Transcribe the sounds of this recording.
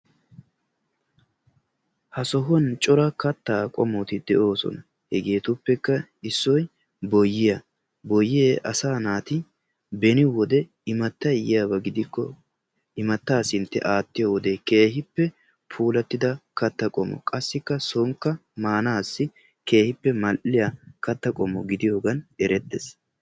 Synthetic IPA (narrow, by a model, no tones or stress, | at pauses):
hɐsɔɦɔnt͡ʃʼɔɾɐkɐt̪ːaːkʼɔmɔt̪ɪd̪̥ɛʔo̞ːsɔ̰nɐ | hɛɡe̞ːt̪ʊpːɛkːɐɪsːɔj | bɔjːɪjɐ | bɔjːɪeːʔɐsaːnaːt̪ɪ | bɛnɪwɔd̪ɛ | ɪmɐt̪ːɐɪjɪjaːbɐɡɪd̪ɪkːɔ̰ | ɪmɐt̪ːaːsɪnt̪ːɛ̰ʔaːt̪ːɪjɐwɔd̪eke̞ːhɪpːɛ | pʰuːlɐt̪ːɪd̪ɐkɐt̪ːɐkʼɔmːɔ̰kʼɐsːɪkːɐsɔŋkːɐmaːnaːsːɪ | ke̞ːhɪpːɛmɐlʔɪjakɐt̪ːɐkʼɔmːɔɡɪd̪ɪjoːɡɐnɛɾɛt̪ːɛs